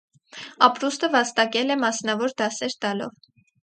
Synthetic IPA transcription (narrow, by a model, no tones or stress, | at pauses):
ɑpɾust̪əvɑst̪ɑkɛlɛmɑsnɑvɔɾd̪ɑsɛɾt̪ɑlɔ̰v